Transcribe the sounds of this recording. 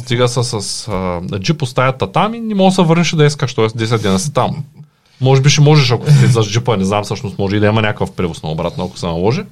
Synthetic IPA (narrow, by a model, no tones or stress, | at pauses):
st̪iɡɐsɐsɐsd͡ʒipost̪ajat̪ːat̪aminimosɛvəɾnɛʃɛd̪ɐɛskaʃt̪ɔɛsd̪ɛsʲɛt̪d̪ɛnɐsɛ̥t̪amː | ɔʒɛbiʃɛmɔʒɛʃ̬ako̥sɛt̪ɛzazd͡ʒipɐnɛznamsəʃt̪ost̪mɔʒɛid̪ɐimɐnʲakəfpɾɛvosno̰obɾat̪noɐko̥sɛnɐlˠɔʒi